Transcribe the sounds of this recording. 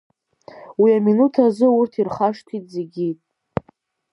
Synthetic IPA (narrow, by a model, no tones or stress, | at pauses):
wiaminutʰazɨurtʰirχaʂtʷʰitʼzeɡʲitʼ